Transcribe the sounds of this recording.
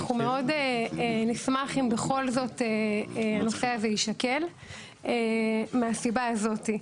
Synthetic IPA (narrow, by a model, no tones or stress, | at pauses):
χumeo̞denismaχimbeχo̞lzo̞teano̞se̞azeiʃake̞l | emeasibaːzo̞ti